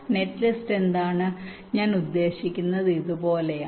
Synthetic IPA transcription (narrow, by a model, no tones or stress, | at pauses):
ne̞ʈːlisʈe̞nd̪aːɳɨ | ɲaːnud̪ːe̞ːɕikʲːunːɐðɨiðupo̞ːle̞